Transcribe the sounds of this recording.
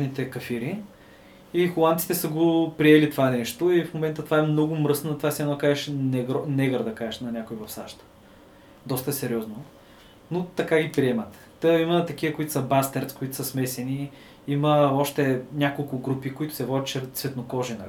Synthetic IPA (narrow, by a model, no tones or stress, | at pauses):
nit̪ɛkɐfiɾi | ixolˠand̪si̥t̪ɛsəɡopɾiɛlit̪ovanɛʃt̪oifmomɛnt̪ət̪ovaɛmnɔɡʊmɾɤsnot̪ovasiɛnɔkaʒɛʃnɛɡɾɔnɛɡəɾd̪ɐkaʒɛʃnɐnʲakʊivɐfsaʃt̪ə̥ | d̪ɔst̪əsɛɾiɔzno | not̪ɐkaɡipɾiɛmɐt̪ | əimət̪ɐk̟ivəkoit̪ʊ̥səbast̪ɛɾt̪skoit̪ʊ̥sɐsmɛsɛni | iməɔʃt̪ɛnʲakolˠkʊɡɾupikoit̪ʊ̥sɛvɔd̪ʲiʃɛɾsvɛt̪nokɔʒɛnɐ̰